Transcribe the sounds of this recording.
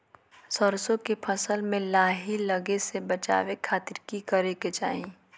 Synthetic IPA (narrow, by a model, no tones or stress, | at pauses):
sɔɾsõkepʰɐsəlmẽlaːɦilɐɡesebɐt͡ʃa̰ːʋekʰaːt̪ɪɾkikɐɾeket͡ʃa̰ːɦĩ